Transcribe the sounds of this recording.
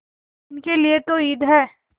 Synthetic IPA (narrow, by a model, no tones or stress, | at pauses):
ɪnkeliet̪oiːd̪ʱɦɛː